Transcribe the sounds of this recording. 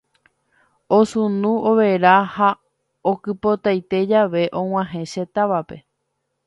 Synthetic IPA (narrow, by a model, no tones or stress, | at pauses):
osũnũoʋeɾaha | okɨpo̞t̪ajt̪e̞d͡ʒaʋe̞ʔõw̃ãɦẽʃet̪aʋape̞